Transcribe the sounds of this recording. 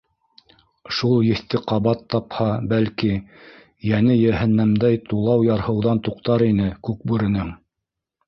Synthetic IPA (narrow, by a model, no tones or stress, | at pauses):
ʃulˠjɘ̆θt̪ɘqɑβɑt̪ːɑphɑbælki | jænɘjæhɘ̆nːæmd̪æjt̪ulˠɑwjɑɾhɤ̆wðɑnt̪uqt̪ɑɾinɘkʉk̚bʉɾɘ̆nɘŋ